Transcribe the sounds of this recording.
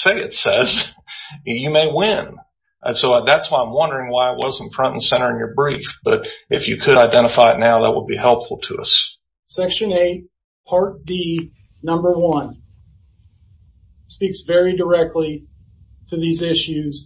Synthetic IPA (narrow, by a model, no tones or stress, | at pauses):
seɪɨ̰tsɛz̥ | jɨmeɪwɪ̃n | ʔʌsoʊðætswaɪãɪ̃mwʌ̃ndə˞ɪ̃ŋwaɪɨʔ̚wʌ̰z̃n̩fɹʌ̃ñʔn̩sɛ̃ɾ̃ə˞ɨ̃njə˞bɹifb̥ʌɾɨfjɨkʰɨɾaɪdɛ̃ɾ̃əfaɪɨtⁿnaʊðə̰t̚wəd̚bihɛlˠpfl̩ˠtʰɨʌ̰s | sɛkʃɨ̃neɪt̚ | pʰɑɹt̚ði | nʌ̃mbə˞wʌ̃n | spiksvɛɹidə˞ɛk̚tˡli | ɾɨðizɪʃʉz̥